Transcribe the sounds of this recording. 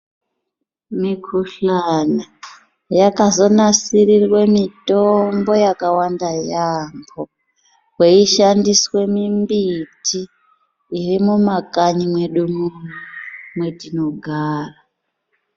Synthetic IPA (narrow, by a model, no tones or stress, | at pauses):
mikʰuɬana | jakazo̞nasirirwe̞mitombo̞jakawandajambo | kweiʃandiswe̞mimbitʰiː | rimumakaɲimwe̞ɗumurumwetinoɡʱaːra